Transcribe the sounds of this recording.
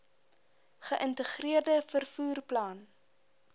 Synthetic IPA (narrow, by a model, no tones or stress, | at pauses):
χəʔəntəχriərdəfərfuːrplɑːn